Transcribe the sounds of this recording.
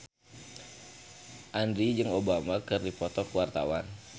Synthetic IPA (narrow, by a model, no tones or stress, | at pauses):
ʔandɾid͡ʒɨŋobamakɨrdipɔt̪ɔkuwart̪a̰wan